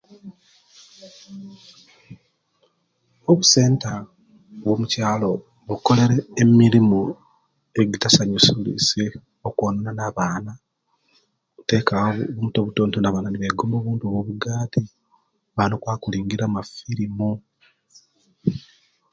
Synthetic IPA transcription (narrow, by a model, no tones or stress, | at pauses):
oβuse̞ːnta | βwomucaːlo̞ | βuko̞le̞ɾeːmiɾimu | e̞ɡitasaɲusulḭse | okwoːnonanaːβaːna | ku̥te̞ːkaoβumuto̞βutoːntonaβaːnaniβeɡoːmbo̞ːβuːnduoβoβuɡaːti | βanokwaːkuliːŋɡiɾamafiɾimu